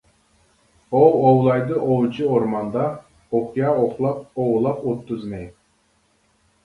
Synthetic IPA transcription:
owowlˠɑjd̪ɯʔowlˠt͡ʃioɾmɑnd̪ɑ | oχjɑoχlˠɑp̚owlˠɑpot̪ːuzmej

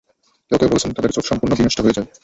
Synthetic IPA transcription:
k̪ɛok̪epoɾet͡ɕʰent̪ad̪eɾt͡ɕodʃɔmpuɾnoɡiniʃʈʰaɦoed͡ʑae

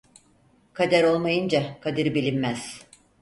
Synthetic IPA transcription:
kʰad̪æɾo̞lˠmajɯnd͡ʒakʰad̪ɯɾbilʲimmæz̥

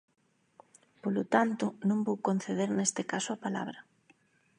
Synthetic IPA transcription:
polot̪ant̪ʊnõmbowkon̟θeðeɾnest̪ɪkasʊapala̰β̞ɾɐ

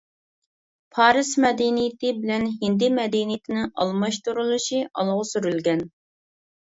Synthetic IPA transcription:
pʰɑːɾɨsmɛd̪inijɪt̪ʰɪbɪlɛnɦɪnd̪ɪmɛd̪ɛnijt̪ʰɪnɪʔɑ̰lˠmɑʃt̪uɾulˠuʃiʔɑ̰lˠʁʊsyɾylɡʲɛn

